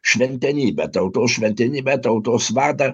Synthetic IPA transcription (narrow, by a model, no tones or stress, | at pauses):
ʃʲʋʲɛnʲt̪ʲɛnʲiːbʲɛt̪ɐʊt̪oːsʃʲʋʲɛnʲt̪ʲɛnʲiːbʲɛt̪ɐʊt̪oːsʋɑːrd̪ɐ